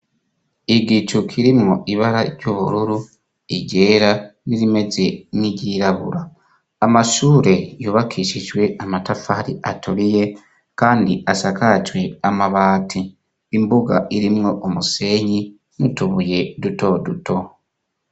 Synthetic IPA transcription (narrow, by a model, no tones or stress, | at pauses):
iɡit͡ʃukʰiɾimŋoʔiβaɾaɾɟoːβuɾuɾu | iɟe̞ːɾaniɾime̞ze̞niɟiːɾaβṵɾaː | maʃuːɾe̞juːβakʰiːʃiʒwe̞amatafaɾḭʔatuɾije̞ | kaːndiʔasakat͡ʃwe̞amaβaːtʰiː | mbuɡa̰ʔiɾimŋo̞ʔomuse̞ːɲi | mutuβuje̞duto̞dutʰo̞